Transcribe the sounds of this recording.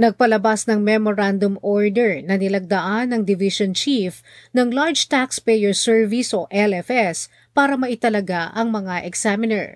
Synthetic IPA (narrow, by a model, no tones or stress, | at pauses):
nɐɡ̚pɐlɐbasnɐŋmɛmoɹand̪omoɹd̪ɛɹnɐnɪlɐɡ̚d̪ɐʔanːɐŋd̪ɪviʃont͡ʃif | nɐŋlaɹd͡ʒt̪akspɛjɛɹsɛɹvisoʔɛlɛfɛs | paːɾɐmɐʔɪt̪ɐlɐɡaʔɐŋmɐŋaʔɛksamɪnɛ̰ɹ